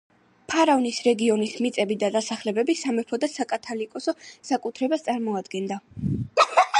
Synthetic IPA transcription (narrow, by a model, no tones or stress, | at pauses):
pʰaɾavnisɾɛɡiɔnismit̪sʼɛbid̪ad̪asaχlɛbɛbisamɛpʰɔd̪asakʼat̪ʰalikʼɔsɔsakʼut̪ʰɾɛbast̪sʼaɾmɔad̪ɡɛnd̪a